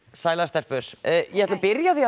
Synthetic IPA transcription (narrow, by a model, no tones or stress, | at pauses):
saːjlast̪ɛr̥pʏɾ̥jɛhɛt̪lapɪɾjaθi